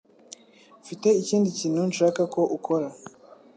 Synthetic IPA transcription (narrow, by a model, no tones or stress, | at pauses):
fite̞iciːndiciːn̥hunʃaːkako̞ʔukʰo̞ɾa